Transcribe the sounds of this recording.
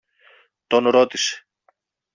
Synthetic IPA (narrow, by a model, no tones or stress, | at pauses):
t̪o̞nɾot̪ise̥